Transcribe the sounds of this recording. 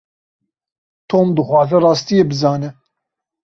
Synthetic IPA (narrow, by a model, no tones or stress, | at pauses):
t̪ʰoːmd̪ɨxwɑːzɛrɑːst̪ijebɨzɑːnɛ